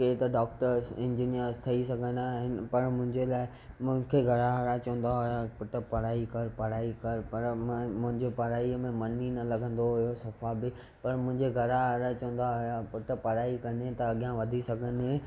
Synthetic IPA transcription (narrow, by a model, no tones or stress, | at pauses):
ket̪ɐɖɔːkʈəɾsɪ̃ɲd͡ʑinijəɾzt̪ʰɐisɐɡʱə̃naːɦɪnɪ̆pɐɾmʊ̃ɦɪ̃ɲd͡ʑelaːɪ | mʊ̃ɦɪ̃kʰeɡʱɐɾaɦɐɾat͡ɕɐʋə̃n̆d̪aɦojapʊʈə̆pɐɽaːikɐɾpɐɽaːikɐɾpɐɾmmʊ̃ɦɪ̃ɲd͡ʑepɐɾaːimẽmɐnːinɐlɐɡʱə̃nd̪oɦʊjosɐfabɪ | pɐɾmʊ̃ɦɪ̃ɲd͡ʑeɡʱɐɾaɦɾat͡ɕɐʋə̃n̆d̪aɦʊjapʊʈpɐɾaːikɐnet̪ɐɐɠijãʋɐd̪ʱisɐɡʱənɦẽ